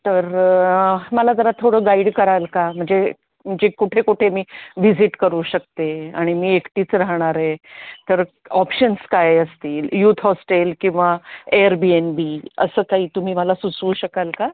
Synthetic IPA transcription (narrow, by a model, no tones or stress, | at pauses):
t̪əɾ | məlad͡z̪əɾat̪ʰoɽəːɡaiɽkəɾalkam̤əɳd͡ze | m̤əɳd͡zekuʈʰekuʈʰemiːʋid͡ziʈkəɾuːɕək̚t̪eaɽ̃imiːekʈiːt͡sɾaɦɳ̃aɾɦet̪əɾ | ɔpɕənskajəst̪iːljuːt̪ʰɦɔsʈelkĩw̃ʋaeɾbienbiːə̰səːkaɦiːt̪um̤iːməlasut͡sʋuːɕəkalka